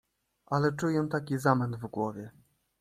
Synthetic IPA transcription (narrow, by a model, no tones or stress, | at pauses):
ʔalɛt͡ʂujɛ̃t̪akʲizamɛnd̪vɡwɔvʲjɛ